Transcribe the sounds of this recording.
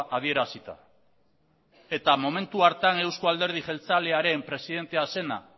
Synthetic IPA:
ʔað̞ie̞ɾasit̪a̰ | e̞t̪amo̞me̞nt̪uaɾt̪ane̞wskoald̪e̞ɾð̞iʝe̞lt͡sale̞aɾe̞mpɾe̞siðe̞nt̪e̞ase̞na̰

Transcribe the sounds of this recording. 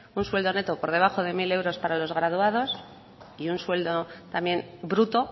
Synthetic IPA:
unswe̞ld̪o̞ne̞t̪opo̞ɾð̞e̞β̞axo̞ðe̞mile̞wɾo̞spaɾalo̞zɣ̞ɾað̞uað̞o̞s | iunswe̞ld̪o̞t̪amje̞nbɾut̪o̞

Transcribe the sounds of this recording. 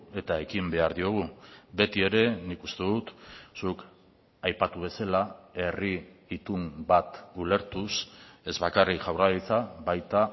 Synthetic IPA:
e̞t̪ae̞kimbe̞aɾðio̞ɣ̞ube̞t̪ie̞ɾe̞nikust̪e̞ðut̪suk | ajpat̪uβ̞e̞salae̞riːt̪umbat̪ule̞ɾt̪use̞zβakarikʝawralit͡saβajt̪a

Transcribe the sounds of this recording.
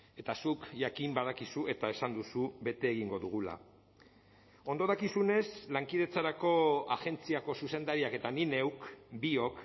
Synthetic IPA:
e̞t̪asukʝakimbað̞akisue̞t̪ae̞sand̪usuβe̞t̪e̞ːɣiŋɡo̞ðuɣ̞ula̰ | o̞nd̪o̞ðakisune̞slaŋkiðe̞t͡saɾako̞aʝe̞nt͡siako̞suse̞nd̪aɾiake̞t̪anine̞wkbio̞k

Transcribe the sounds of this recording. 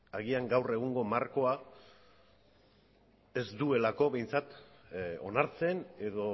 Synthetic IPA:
aɣiaŋɡawre̞ɣ̞uŋɡo̞marko̞a | e̞zd̪ue̞lako̞βe̞jnt͡sat̪ | o̞̰naɾt͡se̞ne̞ðo̞

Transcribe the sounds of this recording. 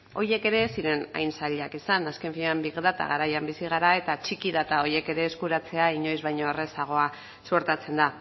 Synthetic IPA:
o̞je̞ke̞ɾe̞siɾe̞na̰jnsaʎakisanaske̞ɱfiɲambiɣðat̪a̰ɣaɾajambisiɣ̞aɾae̞t̪at͡ʃikiðat̪ao̞je̞ke̞ɾe̞ːskuɾat͡se̞aiɲo̞jzβajɲoere̞saɣ̞o̞a | suoɾt̪at͡se̞nd̪a

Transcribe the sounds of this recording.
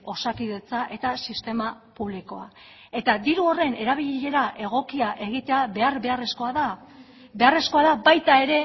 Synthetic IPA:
o̞sakiðe̞t͡saʔe̞t̪asist̪e̞mapuβ̞liko̞a | e̞t̪ad̪iɾuo̞re̞ne̞ɾaβ̞iʎʎe̞ɾaʔe̞ɣ̞o̞kiaʔe̞ɣ̞it̪e̞aβe̞aɾβe̞are̞sko̞aða | be̞are̞sko̞aðabajt̪ae̞ɾe̞

